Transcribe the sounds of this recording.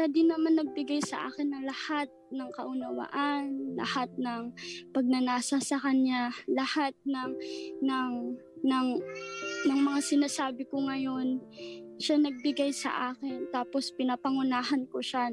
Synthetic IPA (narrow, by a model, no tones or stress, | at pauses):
tad̪ɪnɐmanːɐɡ̚bɪɡajsɐ̰ʔa̰ːkɪnːɐŋlɐhat̪̚nɐŋkɐʔʊnɐwa̰ʔanlɐ̰hat̪̚nɐŋpɐɡ̚nɐnaːsɐsɐkɐɲɲalɐhat̪̚nɐŋnɐŋ | nɐŋ | nɐŋmɐŋasɪnaːsaːbɪkoŋɐjo̞nʃanɐɡ̚bɪɡajsɐ̰ʔaːkɪnt̪aːpo̞spɪnɐpɐŋʊnaːɦɐnkoʃa